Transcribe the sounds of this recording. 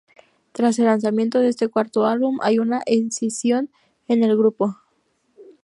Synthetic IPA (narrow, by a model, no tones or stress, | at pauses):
t̪ɾas̬e̞lːans̬amjẽ̞nt̪o̞ðest̪e̞kwaɾt̪o̞alβumʔa̰junaʔensisjo̞n | e̞ne̞lɣɾupo̞